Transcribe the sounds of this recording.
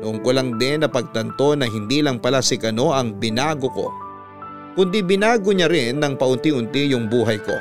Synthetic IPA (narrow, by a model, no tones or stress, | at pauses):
ʊŋkʊlɐŋd̪ɛnːɐpɐɡ̚t̪ɐnt̪o̞nɐɦɪnd̪iːlɐŋpɐlasɪkɐno̞ʔɐŋbɪnaːɡoko̞̰ | kʊnd̪ibɪnaːɡoɲɐɾɪnːɐŋpɐʔʊnt̪iʔʊnt̪ijʊŋbuːɦɐjko̞̰